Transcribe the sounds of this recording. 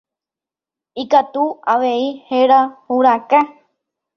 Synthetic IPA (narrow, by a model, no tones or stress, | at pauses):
ikat̪uaʋeiheɾahuɾaka